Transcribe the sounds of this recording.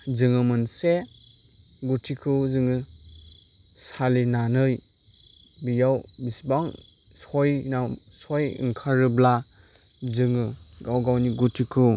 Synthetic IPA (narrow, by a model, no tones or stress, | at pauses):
zɯŋɯmɯnse | ɡutʰikʰɯzɯŋɯ | salinanɯj | bijawbisbaŋ | sɔjnaw | sɔjɯ̰ŋkʰaɾɯbla | zɯŋɯɡawɡawniɡutʰikʰɯ